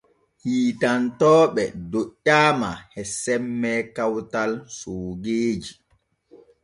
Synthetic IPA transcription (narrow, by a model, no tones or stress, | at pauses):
hiːtantɔːɓɛdoɗʲːaːmahɛsɛmːɛkawtalsoːɡeːd͡ʒi